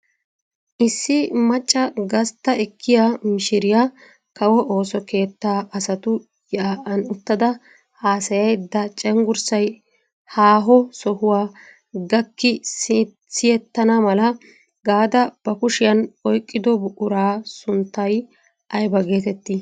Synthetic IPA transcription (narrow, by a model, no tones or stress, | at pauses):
ʔɪsːɪmɐt͡ʃʼːɐɡɐst̪ːɐɛkʰːɪjamɪʃɪɾɪja | kɐwɔʔo̞ːsɔke̞ːt̪ːaːʔɐsɐt̪ʊ | jaːʔɐnʊt̪ːɐd̪ɐ | haːsɐjɐjd̪ɐt͡ʃʼɛŋɡʊɾsɐj | haːɦɔsɔhʊwaː | ɡɐkːɪs | sɪjɛt̪ːɐnɐmɐlɐ | ɡaːd̪ɐb̥ɐkʊʃɪjɐnɔjkʼːɪd̪ɔbʊʔʊɾaːsʊnt̪ːɐj | ʔɐjbɐɡe̞ːt̪ɛt̪ːɪ